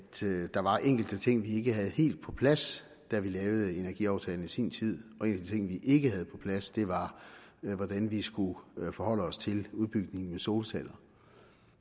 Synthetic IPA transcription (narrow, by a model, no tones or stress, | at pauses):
d̥d̥ɑ̈ʋɑ̈ʔeŋ̰ɡ̥l̩d̥ət͡sʰe̝ŋ̰ʋie̝ɡ̥əɦæð̞̩ˠhe̝̰ːld̥̚pʰɒ̽pʰlæs | d̥æʋilɛːʊð̞̩ˠe̝nɐɡ̥ḭɑ̈ʊt͡sʰɛːln̩isḭːnt͡sʰið̞̰ˠɒ̽e̝̰n̰d̥ət͡sʰe̝ŋ̰ʋiʔe̝ɡ̥əhæð̞̩ˠpʰɒ̥̽pʰlæsd̥e̝ʋɑ̈ | ʋɒd̥ænʋisɡ̥ufɒhɒ̽l̰əɒ̽st͡sʰe̝luðˠb̥yɡ̥ne̝ŋn̩meso̝ːlsʰælɐ